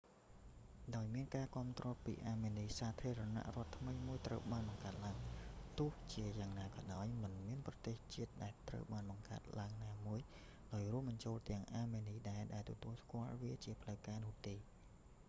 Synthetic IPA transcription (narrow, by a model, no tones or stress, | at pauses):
ɗaɔjmiənkaːkŏəmt̪rɔːpḭːʔaːmeːniːsaːt̪ʰiəɾana̰ʔrŏət̪ʰːməjmuəjt̪rəwɓaːnɓɑŋkaət̪̚laəŋt̪ʊ̆əht͡ɕiəjaːŋnaːkɑːɗaɔjmɨnmiənprɑt̪eːht͡ɕiət̪̚ɗaɛlt̪rə̰wɓaːnɓɑŋka̰ət̪̚laəŋnaːmuəj | ɗaɔjrŭəmɓɑɲt͡ɕoːlt̪ɛ̆əŋʔaːmeːniːɗaɛɗaɛlt̪ɔt̪uəlskŏəlʋiət͡ɕiəpʰləwkaːnʊ̆əht̪eː